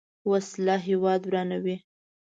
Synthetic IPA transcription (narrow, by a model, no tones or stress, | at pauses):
waslɑɦewɑd̪wɾɑnawi